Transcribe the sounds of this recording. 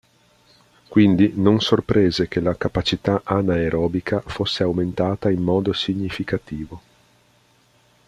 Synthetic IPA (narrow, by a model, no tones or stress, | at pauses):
kwind̪inonsorpɾeːzekelakapat͡ʃit̪aʔanaeɾʔɔːbikʰafosːeawment̪aːt̪ainːɔːd̪osiɲːifikat̪iːvo